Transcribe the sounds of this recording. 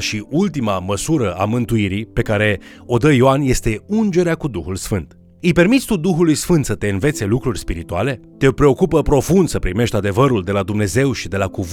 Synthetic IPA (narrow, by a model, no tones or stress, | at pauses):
ʃiʔult̪imaməsuɾəamɨnt̪uiɾipe̞kaɾe̞ | o̞d̪əjioanje̞st̪e̞und͡ʒe̞ɾeakud̪uxulsfɨnt̪ | ɨjpe̞rmit̪sʲt̪ud̪uxulujsfɨnt̪sət̪e̞ɨnve̞t̪se̞lukɾurʲspiɾit̪uale̞t̪e̞pɾe̞o̞kupəpɾo̞fund̪səpɾime̞ʃt̪ʲad̪e̞vəɾuld̪e̞lad̪umne̞ze̞wʃid̪e̞laku